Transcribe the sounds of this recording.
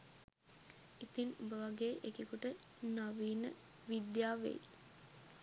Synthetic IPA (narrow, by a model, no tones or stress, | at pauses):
it̪inubəʋaɡeːʔekikuʈə | naʋiːnə | ʋid̪jaːʋḛj